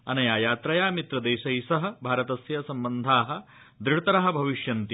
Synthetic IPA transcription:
ɐnɐjaːjaːt̪ɾɐjaːmit̪ɾɐd̪eːʃɐjsɐɦɐ̆bʱaːɾɐt̪ɐsjɐsɐmbɐnd̪ʱaːɦɐ̆ | d̪ɾiɽt̪ɐɾɐɦɐ̆bʱɐʋiʃjɐnt̪i

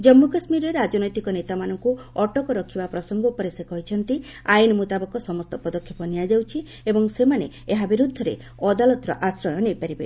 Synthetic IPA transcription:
d͡ʒɔmːukasmiɾeɾad͡ʒɔnɔjt̪ikɔnet̪amanɔŋku | ɔʈɔkɔɾɔkʰibapɾɔsɔŋɡɔupɔɾesekɔɦit͡ʃʰɔnt̪i | ajinɔmut̪abɔkɔsɔmɔst̪ɔpɔd̪ɔkʰːjɔpɔnijad͡ʒawt͡ʃʰi | ebɔŋsemane | eɦabiɾud̪ʱːɔɾḛ | ɔd̪alɔt̪ɾɔʔasɾɔjɔnejpaɾibḛ

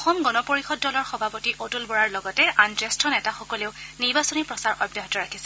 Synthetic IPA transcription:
ɔxɔmɡɔnɔpoɹixɔdːɔlɔɹxɔbʱapotiʔotulbɔɹaɹlɔɡɔtɛʔantɹɛstʰɔnɛtaxɔkɔleʊniɹbasɔnipɹɔsaɹʔɔbjɔɦɔtɔɹakʰisɛ̥

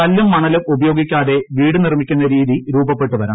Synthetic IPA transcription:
ɐlːumːɐɳɐlɨʔubɐjo̞ːɡikʲːaːðe̞ʋiːɽɨnirmikʲːunːɐɾiːðiɾuːbɐpːe̞ʈːuʋɐɾɐ̰ː

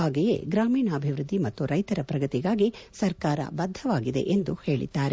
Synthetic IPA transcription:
aːɡejḛːɡɾaːmiːnɐːbʱiʋɾud̪ːimɐt̪ːuɾɐjt̪ɐɾɐpɾɐɡɐt̪iɡaːɡisɐɾkaːɾɐ̰bɐd̪ʱːɐʋaːɡid̪e̞̰ʔend̪uhe̞ːɭḭd̪ːaːɾe

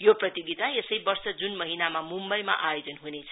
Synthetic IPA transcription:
joprʌt̪iɡit̪aesʌjbʌrsʌd͡zunmʌɦinamamumbʌjma̰ʔajod͡zʌnɦunet͡sʰʌ̥

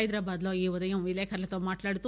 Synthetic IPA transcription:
jid̪ɾɐbɐd̪loiːʋɔd̪ɐjɐ̃ʋileːkʰɐɾɐlɐt̪ɐmaːʈlaːɽt̪u

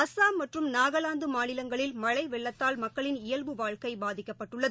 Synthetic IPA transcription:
ɐsaːmɐʈrɯmnaːɣɐlaːnd̪ɯmaːnɪlɐŋɡɐɭɪlmɐɻɐɪʋɛɭːɐt̪ːaːlmɐkːɐɭɪnɪjɐlʋɯʋaːɻkɐɪbaːðɪkːɐpːɐʈːɯɭːɐðɯ

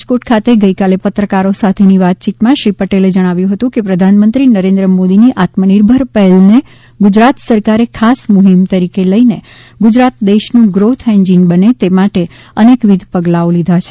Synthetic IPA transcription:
d͡ʒkoʈkʰat̪eɡəikalepət̪ɾəkaɾosat̪ʰeniʋat̪̚t͡ʃit̪mãʃɾipəʈeled͡ʒəɽ̃aʋjũɦət̪ũkepɾəd̪ʱanmənt̪ɾinəɾẽnd̪ɾəmod̪iniʔat̪məniɾbʱəɾpəɦɛlne | ɡʊd͡ʒɾat̪səɾkaɾekʰasmʊɦimt̪əɾikeləine | ɡʊd͡ʒɾat̪d̪eʃnũɡɾot̪ʰɛ̃ɲd͡ʒinbənet̪emaʈe | ənekʋid̪ʱpəɡlaolid̪ʱat͡ʃʰe̥

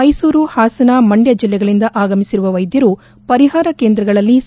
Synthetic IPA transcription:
ɐjsuːɾuhaːsɐnɐmɐɳɖjɐd͡ʒilːɛɡɐɭind̪ɐʔaːɡɐmisiɾuʋɐʋɐjd̪jɐɾu | pɐɾiɦaːɾɐke̞ːnd̪ɾɐɡɐɭɐlːis

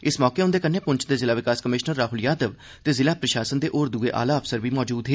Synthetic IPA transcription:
ɪsmɔːkeːɦʊnd̪eːkənːeːpʊɲt͡ʃʰd̪eːzɪlaːʋɪkaːskəmɪʃnəɾːaːɦʊljaːd̪əʋ | t̪eːzɪlaːpɾəʃaːsənd̪eːʔoːɾd̪uːeːʔa̰ːlaːəpsəɾʋiːmɔːd͡ʒuːd̪ɦeː

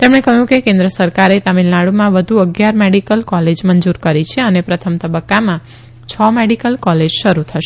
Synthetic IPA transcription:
t̪emɽ̃ekəɦjũkekẽnd̪ɾəsəɾkaɾet̪amilːaɭumãʋəd̪ʱuəɡjaɾmeɽikəlkɔled͡ʒmənd͡ʒuɾkəɾit͡ʃʰeənepɾət̪ʰəmt̪əbəkːamã | t͡ʃʰɔmeɽikəlkɔled͡ʒʃəɾut̪ʰəʃe̥

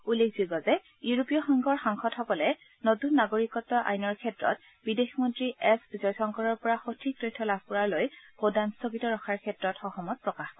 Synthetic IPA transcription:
ulːek̚ʰz̥uɡɔzɛ | juɹupijɔxɔŋɡʱɔɹxaŋxʰɔthɔbɔlɛ | notunːaɡoɹikɔtːɔʔa̰jnɔɹkʰɛtɹɔ̰t̚ | b̥idexmɔntɹiʔɛszɔjsɔŋkɔɹɔɹpɔɹaxotʰik̚tɹitʰːɔlabʱpuɹaɹlojbodanstobitɔɹɔxʰaɹkʰɛtɹɔtxɔxɔmɔt̚pɹɔkax

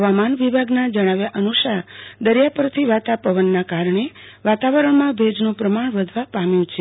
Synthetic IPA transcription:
ɦəʋamanʋibʱaɡnad͡ʒəɽ̃aʋjaʔənusad̪əɾjapəɾt̪ʰiʋat̪apəʋənːakaɾɳe | ʋat̪aʋəɾəɳmãbʱed͡ʒnũpɾəmaɳʋəd̪ʱʋapamjũt͡ʃʰe

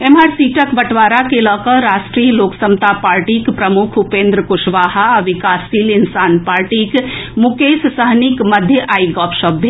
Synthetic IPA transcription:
emaɾsiʈəkbəʈʋaːɾakelɔkəɾasʈɾiəloːksəmt̪apaːɾʈikpɾəmukʰɦupẽnd̪ɾəkuʃʋaːɦaʋikaːsilinsaːnpaɾʈikmukessəɦnikməd̪ʱjəʔaːiɡɔːpsəbʱe

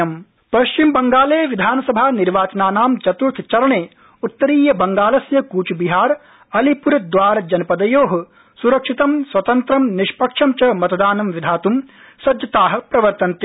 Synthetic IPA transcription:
ɐm | pɐʃt͡ʃimbɐŋɡaːleːʋid̪ʱaːnɐsɐbʱaːniɾʋaːt͡ʃɐnaːnaːmt͡ʃɐt̪uɾt̪ʰt͡ʃɐɾɐɳeː | ut̪ːɐɾiːjɐbɐŋɡaːlɐsjɐkuːt͡ʃbiɦaːɾ | ɐlipuɾɐd̪ʋaːɾɐd͡ʒɐnɐpɐd̪ɐjoːɦɐ | suɾɐkʂit̪ɐmsʋɐt̪ɐnt̪ɾɐmniʃpɐkʂɐmt͡ʃɐmɐt̪ɐd̪aːnɐmʋid̪ʱaːt̪um | sɐd̪jɐt̪aːɦɐ̆pɾɐʋɐɾt̪ɐnt̪e

